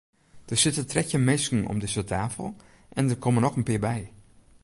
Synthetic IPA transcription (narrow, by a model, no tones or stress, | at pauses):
d̥ərsɪtətʰrɛcjəmɪskn̩ɔ̰mdɪsətʰaːfəlˠ | ʔɛndərkʰomənɔxənpɪːɹbɛj